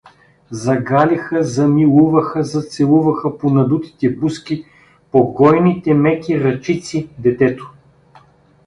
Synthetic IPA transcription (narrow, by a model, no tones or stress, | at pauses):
zɐɡalʲixəzɐmilˠuvɐxəzɐt̪sɛlˠuvɐxəponɐd̪ut̪i̥t̪ɛpuskʲi | poɡɔjnit̪ɛmɛkʲiɾɐt͡ʃit̪sid̪ɛt̪ɛt̪o̥